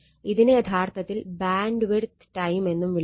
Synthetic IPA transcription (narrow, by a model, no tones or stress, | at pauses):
iðinejeɐd̪ʱʰaːrt̪ɐt̪ːilbaːɳɖʋert̪ʈɐjme̞nːumʋiɭ